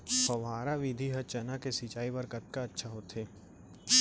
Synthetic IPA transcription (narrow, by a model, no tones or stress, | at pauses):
pɐʋaːɾaʋɪd̪ʱiɦɐt͡ʃɐnakesit͡ʃaːibɐɾkɐt̪̚kaɐtːʃʰaɦot̪ʰeː